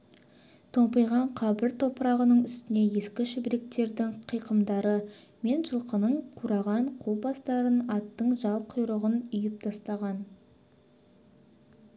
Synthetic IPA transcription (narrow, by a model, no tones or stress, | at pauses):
t̪ʰompəjʁɑɴqʰɑbɪɾt̪ʰo̞pəɾɑʁənəɴʏst̪ɪne̞je̞skʲɪʃɪbɾek̚t̪e̞ɾd̪ɪŋqʰijqəmd̪ɑɾə | me̞nʒəlˠqənəɴqʰuɾɑʁɑɴqʰulˠbɑst̪ɑɾənɑt̪ːəɴʒɑlˠqʰʊjɾəʁənʏjɪp̚t̪ʰɑst̪ɑʁɑn